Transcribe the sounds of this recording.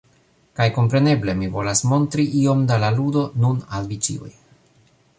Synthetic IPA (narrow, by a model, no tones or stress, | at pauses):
kajko̞mpɾe̞ne̞ble̞mivo̞lasmo̞nt̪ɾiʔio̞md̪alaludo̞nunalvit͡sḭo̰j